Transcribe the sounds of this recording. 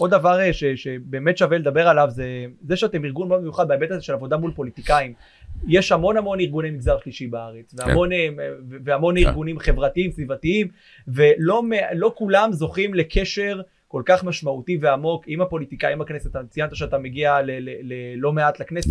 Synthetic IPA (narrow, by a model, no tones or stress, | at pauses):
ʔo̞d̪avaʁeʃeʃebe̞ːmet̪ʃaveled̪abeʁalavzezeʃɛat̪emiʁɡunmod̪mejuχad̪̚baebet̪azeʃe̞lavo̞d̪amulpo̞lit̪ikaim | jeʃhamo̞nhamo̞niʁɡunemiɡzaʁʃliʃibaaʁet͡svea̰m̰o̞neveveamo̞niʁɡunimχe̞vʁat̪iimsvivat̪iim | ve̞lo̞melo̞kulamzo̞χimle̞kʰe̞ʃe̞ʁ | ko̞lkaχmaʃmaut̪ive̞amo̞kimapo̞lit̪ikajimakneset̪amt͡sijant̪aʃeat̪ameɡialelelelo̞meat̪lekneset